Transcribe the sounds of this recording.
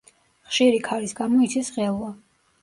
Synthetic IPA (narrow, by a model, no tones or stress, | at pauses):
χʃiɾikʰaɾisɡamɔit̪sʰisʁɛlˠa